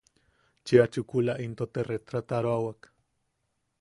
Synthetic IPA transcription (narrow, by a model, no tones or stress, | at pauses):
t͡ʃiat͡ʃukulaʔint̪ot̪eret̪ɾat̪aɾoawak